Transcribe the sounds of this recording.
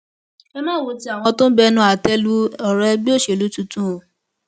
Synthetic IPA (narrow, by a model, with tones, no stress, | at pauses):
ɛ˧mãː˦˨wo˧˦ti˦a˦˨w̃ɔ˧tõ˦bɛ˧nũ˧a˨tɛ˦lu˦ɔ˨ɾɛ˧˦bi˦o˦˨ʃe˨lu˨˦tu˧˦tũ˦o˨